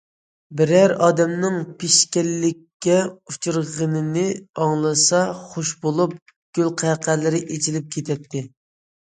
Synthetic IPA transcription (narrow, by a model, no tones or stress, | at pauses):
bɪɾæɾɑːd̪ɛmnɨŋpʰeʃkʲɛlːɪkʲːɛut͡ʃʰuɾʁənɨnɪɑŋlˠɨsɑχoʃbolˠup̚ | ɡ̥ʲølqʰæqʰælɪɾɪʔet͡ʃʰilɪp̚kʲʰet̪ʰɛt̪ʰːɪ